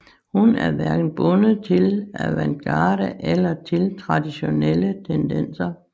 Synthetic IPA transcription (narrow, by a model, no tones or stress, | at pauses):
hunæɐʋæɐɡ̥n̩b̥ɔ̽nəð̩ˠt͡sʰe̝læʋænɡ̥ɑːɾ̥əʔelɐt͡sʰe̝lt͡sʰʁɑ̈d̥iɕo̝nelət͡sʰend̥ensɐ